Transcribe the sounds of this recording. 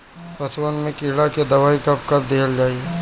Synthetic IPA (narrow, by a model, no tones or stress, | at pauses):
pɐswənmẽkɪɾɽaked̪ɐʋaːikɐp̚kɐp̚d̪eːəld͡ʒaːi